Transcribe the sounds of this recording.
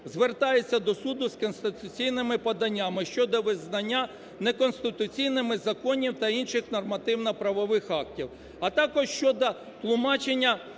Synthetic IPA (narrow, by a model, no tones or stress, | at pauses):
zʋert̪ɑjet͡sʲːɐd̪ɔsud̪ʊskɔnst̪ɪt̪ʊt͡sʲijnɪmɪpɐd̪ɐnʲːamɪʃt͡ʃɔd̪ɔʋɪznɐnʲːa | nekɔnst̪ɪt̪ʊt͡sʲijnɪmɪzɐkɔnʲiwt̪ɐinʃɪxnɔrmɐt̪ɪwnɐpɾɐʋɔʋɪxɑk̚tʲiw | ɐt̪ɑkɔʃʃt͡ʃɔd̪ɔ | t̪lˠʊmɑt͡ʃenʲːɐ